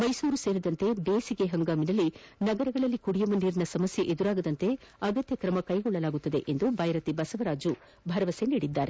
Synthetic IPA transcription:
mɐjsuːɾuse̞ːɾid̪ɐnt̪e̞beːsiɡe̞ɦɐŋɡaːminɐlːinɐɡɐɾɐɡɐɭɐlːikuɽijɐmɐniːɾɐnɐsɐmɐsjeʔed̪uɾaːɡɐd̪ɐnt̪e̞ɐɡɐt̪jɐkɾɐmɐkɐjɡɔɭːɐlaːɡut̪ːɐd̪e̞̰ʔend̪ubʱɐjɾɐt̪ibɐsɐʋɐɾaːd͡ʒu | bʱɐɾɐʋɐseniːɽid̪ːaːɾe

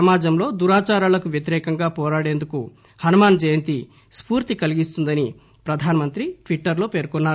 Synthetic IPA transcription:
ɐmaːd͡ʒɐmlo̞ːd̪uɾaːt͡ʃaːɾaːlɐkuʋjɐt̪̬iɾɛːkɐŋɡaːpɔːɾaːɽe̞ːnd̪uku | hɐnumaːnd͡ʒɐjɐnt̪i | spuːɾt̪ikɐliɡist̪und̪ɐni | pɾɐd̪ʱaːnɐmɐnt̪ɾiʈʋiʈːɐɾlo̞ːpe̞ːɾkɔnːaːɾu

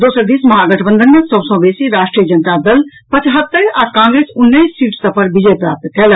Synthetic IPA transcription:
d̪oːsəɾd̪iːsməɦaɡəʈʰbə̃nd̪ʱənmesəbsə̃beːsiɾaːʃʈɾijəd͡ʒənət̪ad̪əl | pət͡ʃɦət̪ːəɾakãːŋɡɾeːsʊnːəjsːiːʈst̪əpəɾbid͡ʒepɾaːp̚t̪kɛlə

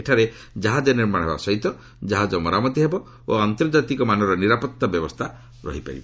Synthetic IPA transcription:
eʈʰaɾe | d͡ʒaɦad͡ʒɔniɾmaɽ̃ɦeba̰sɔɦit̪ɔ | d͡ʒaɦad͡ʒɔmɔɾamɔt̪iɦebɔ | o̰ant̪ɔɾd͡ʒat̪ikɔmanɔɾɔniɾapɔt̪ːabjɔbɔst̪ʰa | ɾɔ̰ɦipa̰ɾḭbɔ

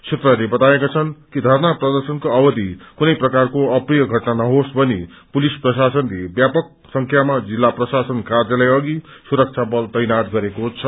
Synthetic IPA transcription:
t͡sʰet̪rʌlebʌt̪aekat͡sʰʌnkid̪ʱarnaprʌd̪ʌrsʌnkoʌbʌd̪ʱikunʌjprʌkarkoʌprijʌɡʱʌʈnanʌɦosbʱʌni | pulisprʌsasʌnlebjapʌk̚ | sʌŋkʰjamad͡zilːaprʌsasʌnkardjʌlajʌɡisuɾʌk̚t͡sʰabʌlt̪ʌjnat̪̚ɡʌɾekot͡sʰʌ

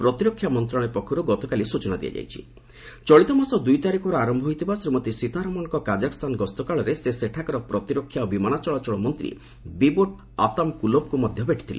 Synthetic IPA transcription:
pɾɔt̪iɾɔkʰːjamɔnt̪ɾaɭ̃epɔkʰɔɾuɡɔt̪ɔkalisut͡ʃɔnad̪ija̰d͡ʒa̰jt͡ʃʰḭ | t͡ʃɔɭit̪ɔmasɔd̪ujt̪aɾikʰɔɾɔaɾɔmbʱɔɦojt̪ibasɾemɔt̪isit̪aɾɔmɔnɔkɔkad͡ʒakɔst̪ʰanɡɔst̪ɔkaɭɔɾeseseʈʰakɔɾɔpɾɔt̪iɾɔkʰːjabimanat͡ʃɔɭat͡ʃɔɭɔmɔnt̪ɾḭ | biboʈ | a̰t̪amkulob̚kumɔd̪ʱjɔbeʈʰi̥t̪ʰilḛ

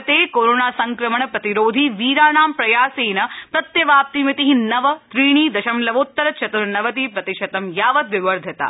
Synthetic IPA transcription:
t̪eːkoːɾoːnaːsɐŋkɾɐmɐɳɐpɾɐt̪iɾoːd̪ʱiːʋiːɾaːnaːmpɾɐjaːseːnɐpɾɐt̪jɐʋaːp̚t̪imit̪iɦinɐʋɐt̪ɾiːɳ̃iːd̪ɐʃɐmlɐʋoːt̪ːɐɾɐt͡ʃʰɐt̪uɾnɐʋɐt̪̬iːpɾɐt̪iʃɐt̪ɐmjaːʋɐt̪ʋɪʋɐɾd̪ʱɐt̪a̰ː

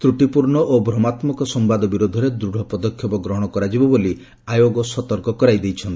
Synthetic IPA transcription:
t̪ɾuʈipuɾɳɔʔobʱɾɔmat̪mɔkɔsɔmbad̪ɔbiɾod̪ʱɔɾed̪ɾuɽʱɔpɔd̪ɔkʰːjɔbɔɡɾɔɦɔɽ̃ɔkɔɾad͡ʒibɔboli | ajoɡɔsɔt̪ɔɾkɔkɔɾajd̪ejt͡ʃʰɔnt̪i̥

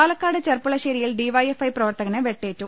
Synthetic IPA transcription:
aːlɐkːaːɽɨt͡ɕɐrpuɭɐɕeːɾijilɖiʋɐjefɐjprɐʋɐrt̪ɐɣɐneʋe̞ʈːe̞ːtːu

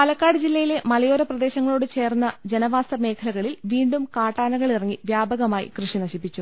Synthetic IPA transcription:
pɐlɐkːaːɽɨd͡ʑilːɐjile̞mɐlɐjo̞ːɾɐprɐd̪e̞ːɕɐŋːɐɭo̞ːɽɨt͡ɕe̞ːrnːɐd͡ʑe̞nɐʋaːsɐme̞ːkʰɐlɐɣɐɭilʋiːɳɖumkaːʈːaːnɐɣɐɭirɐŋːiʋjaːbɐɣɐmaːjḭkrɨʂinɐɕipːit͡ɕːu

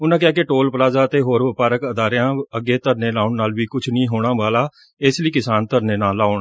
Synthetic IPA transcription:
ʊnãːkɪaːkɪʈoːlpəɾaːzaːt̪eːɦoːɾʋəpaːɾəkəd̪aːɾjãːəɡeːt̪əɾneːlaːʊɳnaːlʋiːkʊt͡ʃʰnĩːɦoːɽ̃aːʋaːlaː | ɪsləiːkɪsaːnt̪əɾneːnaːlːaːoɳa

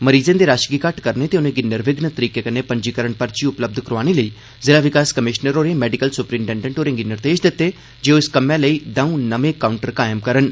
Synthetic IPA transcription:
məɾiːzẽːd̪eːɾaːʃɡiːkəʈkəɾneːt̪eːʊnẽːɡɪnːəɾʋɪɡnət̪əɾiːkeːkəneːpəɲd͡ʒiːkəɾəɳpəɾt͡ʃiːʊpləb̚d̪ʱkəɾaːneːləiː | zɪlaːʋɪkaːskəmɪʃnəɾoːɾeːmɛːɖɪkəlsʊpɾiːmʈɛ̃ːɳɖə̃ɳʈoːɾẽːɡɪnːəɾt̪eːʃd̪ɪt̪ːeː | d͡ʒeːoːɪskəmɛ̃ːləiːd̪ãːũːnəʋẽːkaːʊɳʈəɾkaːjmkəɾən

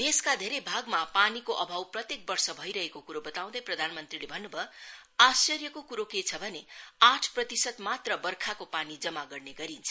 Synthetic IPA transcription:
d̪eskad̪ʱeɾʌjbʱaɡmapanikoʔʌbʱawprʌt̪jek̚bʌrsʌbʱʌjɾʌɦekokuɾobʌt̪aw̃d̪ʌjprʌd̪ʱanmʌnt̪rilebʱʌnːubʌasʌrjʌkokuɾoket͡sʰʌbʱʌneaʈʰprʌt̪isʌt̪mat̪rʌbʌrkʰakopanid͡zʌmaɡʌrneɡʌɾint͡sʰʌ̥

